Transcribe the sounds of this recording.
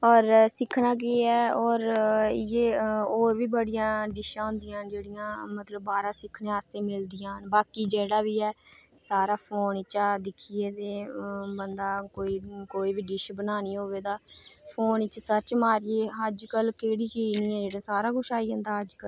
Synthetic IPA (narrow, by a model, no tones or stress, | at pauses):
ɔːɾsɪkʰɳaːk̬eːɛːɔːɾjeːoːɾʋiːbəɽɪjãːɖɪʃãːɦʊ̃nd̪ɪjãːd͡ʒeːɽɪjãːmət̪ləbːaːɾãːsɪkʰːnẽːaːst̪eːmɪld̪ɪjãːnbaːkiːd͡ʒeːɽaːʋiːɛːsaːɾaːpʰoːnɪt͡ʃaːd̪ɪkʰiːeːt̪eːbənd̪aːkoːiːkoːiːbiːɖɪʃbənaːniːoːʋeːd̪aːpʰoːnɪt͡ʃsət͡ʃmaːɾɪeːəd͡ʒkəlkeːɽiːt͡ʃiːniːɛːd͡ʒeːɽãːsaːɾaːɡʊʃaːiːɦə̃nd̪aːəd͡ʒkəl